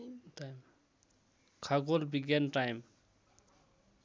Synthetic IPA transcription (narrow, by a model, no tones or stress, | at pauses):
tajm | kʰaɡolbiɡanʈajm